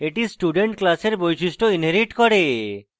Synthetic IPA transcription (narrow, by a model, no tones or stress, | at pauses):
eʈisʈuɖeɳʈklaseɾbojʃiʃʈoinɦeɾiʈkɔɽe